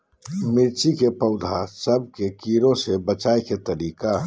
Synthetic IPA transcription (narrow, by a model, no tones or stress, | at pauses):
mɪɾt͡ʃikepəʊd̪ʱasəb̚ʱkekiːɾõsebət͡ʃaːeket̪əɾiːka